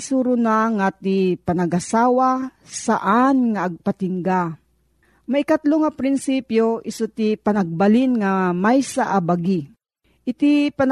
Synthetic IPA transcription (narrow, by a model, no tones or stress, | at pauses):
suɾʊnaŋat̪ipanaɡʔasaːwasaʔanŋaʔːɡ̚pat̪ɪŋɡa | maʔikat̪loŋapɾɪnsipjoʔɪsut̪ipanaɡ̚balinŋamajsaʔabaɡi | ʔɪt̪ipan